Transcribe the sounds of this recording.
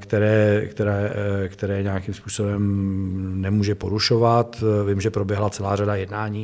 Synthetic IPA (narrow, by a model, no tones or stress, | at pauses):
kt̪ɛɾɛːkt̪ɛɾɛːkt̪ɛɾɛːɲɛjakimspuːsobɛm | nɛmuːʒɛpo̞ɾuʃovat̪vimʒɛpɾobjɛɦlat͡sɛlaːradajɛdnaːɲiː